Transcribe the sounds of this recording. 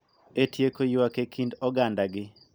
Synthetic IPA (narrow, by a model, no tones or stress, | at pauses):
etʰjekojʊwakekʰindɔɡandaɡɪ